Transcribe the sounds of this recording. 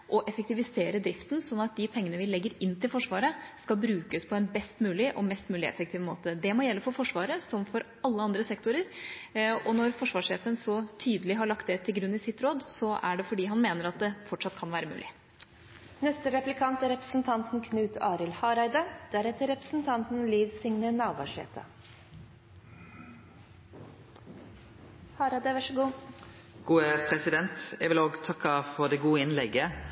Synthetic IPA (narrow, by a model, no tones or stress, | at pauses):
ʔɔʔɛfək̚t̪ɪʋɪseːɾəd̪ɾɪft̪nsɔnːɑt̪̚d̪ɪpʰɛŋːənəʋɪlɛɡːəɾɪnːt̪ʰɪlfɔʂʋɑːɾəskɑbɾʉːkəspʰɔɛnbɛst̪mʉːlɪʔɔmɛst̪mʉːlɪɛ̰fəkt̪iːʋmo̰ːt̪əd̪ɛmɔjɛlːəfɔɾfɔʂʋɑːɾəsɔmfɔɾ | ɑlːəɑnd̪ɾəsɛkt̪ʊɾəɾ | ɔnɔɾfɔʂʋɑːʂeːfənsɔt̪ʰyːd̪əlɪɦɑɭɑkt̪d̪ɛt̪ʰɪlɡɾʉnːɪsɪt̪ɾoːd̪sɔæ̰ɖɛfɔɖiːɦɑnmeːnəɾɑt̪̚d̪ɛfɔʈʂɑt̪̚kʰɑnʋæːɾəmʉ̰ːlɪ̰ | nɛst̪əɾɛplɪkʰɑnt̪æɾɛpɾəsn̩t̪ʰɑnt̪n̩kʰnʉːt̪ɑːɾɪlhɑːɾɑɪd̪ɑd̪̥æɾɛt̪əɾɛpɾə̥sn̩t̪ʰɑnt̪n̩liːd̪sɪŋnənɑːʋɑ̰ʂḛːt̪ʰɑ̰ | hɑːɾɑd̪əʋɑʂəɡuː | ɡ̥uːəpʰɾɛsɪd̪ɛnt̪ɛɡʋɪloːɡt̪ʰɑkːɑfɔʁd̪ɛɡuːəɪnlɛɡə